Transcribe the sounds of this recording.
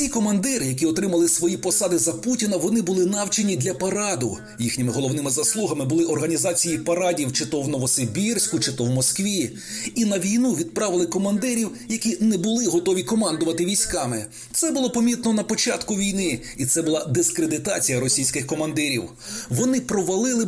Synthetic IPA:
tʲijkɔmɐnd̪ɪɾjɐk̬ʲiɔt̪ɾɪmɐlˠɪsʋɔjipɔsɑd̪ɪzɐputʲinɐʋɔnɪbʊlˠɪnɑwt͡ʃenʲid̪ʲlʲɐpɐɾɑd̪ʊ | jixnʲɪmɪɦɔlˠɔwnɪmɪzɐslˠuɦɐmɪbʊlˠɪʔɔrɦɐnʲizɑt͡sʲijipɐɾɑdʲiwt͡ʃɪt̪ɔwnɔʋɔsebʲirsʲkʊt͡ʃɪt̪ɔwmɔskʋʲi | inɐʋʲijnuʋʲid̪̚pɾɑʋɪlˠɪkɔmɐnd̪ɪɾʲiwjɐkʲinɛbʊlˠɪɦɔt̪ɔʋʲikɔmɑnd̪ʊʋɐt̪ɪʋʲijsʲkɑmɪ | t̪sɛbʊlˠɔpɔmʲit̪̚nɔnɐpɔt͡ʃɑt̪kʊʋʲijnɪ | it̪sɛbʊlˠɑd̪ɪskɾed̪ɪt̪ɑt͡sʲijɐɾɔsʲijsʲkɪxkɔmɐnd̪ɪɾʲiw | ʋɔnɪpɾɔʋɐlˠɪlˠɪ

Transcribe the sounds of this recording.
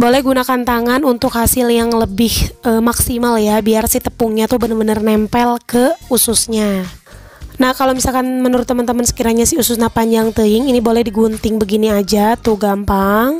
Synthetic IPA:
bolɛhɡunakant̪aŋanunt̪ʊkhasɪljaŋləbɪhʔəːmaksimaljabiarsit̪əpuŋɲat̪ʊhbənərbənərnɛmpɛlkəusʊsɲa | nahkalowmisalkanmənuɾʊt̪ːəmənt̪əmənsə̥kiɾaɲasɪusʊsnapaɲd͡ʒaŋt̪əɪŋinibolɛhdiɡunt̪ɪŋbəɡiniad͡ʒat̪uɡampaŋ

